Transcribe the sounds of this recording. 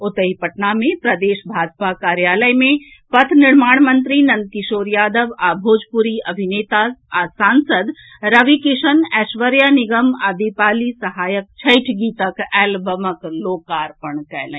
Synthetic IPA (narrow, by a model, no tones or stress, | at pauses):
ʊt̪əɦipɐʈnamẽpɾɐd̪eːʃbʱaːd͡ʒpakaːɾjaːləjmẽ | pɐt̪ʰnɪɾmaːɳ̃mə̃nt̪ɾinɐ̃nd̪̚kɪʃoːɾjaːd̪əʋaːbʱoːd͡ʒpuɾiɐbʱineːt̪aasãːnsəd̪ | ɾɐʋikɪʃənɛːʃʋəɾjanɪɡəmɐbipaːlisɐɦaːjək̚t͡ʃʰɐɪʈʰɡit̪əkɛːlbəməkloːkaːɾpəɳkɛːlɛ̰̃